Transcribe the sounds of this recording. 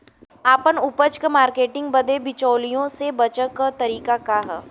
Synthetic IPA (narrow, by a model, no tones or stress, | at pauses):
aːpənʊpət͡ʃkəmaːɾkeːʈɪ̃ŋɡ̚bɐd̪ebɪt͡ʃɔːlijõsebɐt͡ʃəkːət̪ɐɾiːkakaɦɛː